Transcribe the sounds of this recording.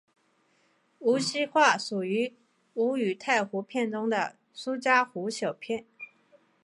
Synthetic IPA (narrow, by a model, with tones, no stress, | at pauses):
u˧˥ɕi˥xwa˥˩ʂu˨˩y˧˥ | u˧˥y˨˩t̪ʰa˥˩ɪxu˧˥pʰjɛ˥˩nʈ͡ʂʊ˥ŋd̪ə̰˨ | su˥t͡ɕja˥xu˧˥ɕjɑ˨˩ʊpʰjɛ˥˩n